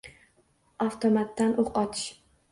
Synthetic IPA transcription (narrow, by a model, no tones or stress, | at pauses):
aft̪ʰomat̪ːanʔoqɒt̪ʰɪ̥ʃ